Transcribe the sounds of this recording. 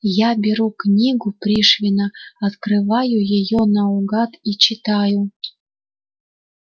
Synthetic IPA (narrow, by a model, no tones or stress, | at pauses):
jɑbʲeɾuknʲiɡuprʲiʃvʲinaɑt̪krɨvɑjujejonɑuɡɑt̪it͡ɕit̪ɑju